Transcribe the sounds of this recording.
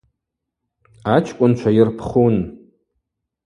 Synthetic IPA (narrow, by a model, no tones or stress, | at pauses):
at͡ʃʰkʷʼʊnt͡ʃʷʰajɪrpʰχun